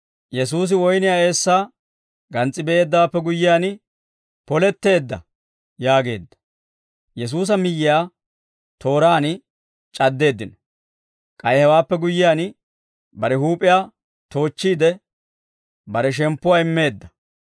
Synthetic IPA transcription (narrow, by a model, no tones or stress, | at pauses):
jɛsuːs̬ɪwɔjnɪjaːe̞ːsːaː | ɡɐnt͡sʼːɪbɛeːd̪ːaːpːɛɡʊjːɪjaːn | pɔlɛt̪ːe̞ːd̪ːɐ̰ | jaːɡe̞ːd̪ːɐ̥ | jɛs̬uːs̬ɐmɪjːɪjaː | t̪o̞ːɾaːn | t͡ʃʼɐd̪ːe̞ːd̪ːɪnɔ | kʼɐjhɛwaːpːɛɡʊjːɪjaːn | bɐɾɛhuːpʼɪjaː | t̪o̞ːt͡ʃːiːd̪ɛ | bɐɾɛʃ̬ɛmpːʊwaːɪmːe̞ːd̪ːɐ